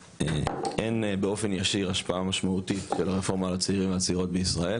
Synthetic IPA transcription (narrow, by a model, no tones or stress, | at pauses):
eʔenbeo̞fe̞njaʃiʁaʃpaamaʃmautitʃelaʁefo̞ʁmalat͡seiʁimveat͡seiʁo̞t̪̚beisʁae̞l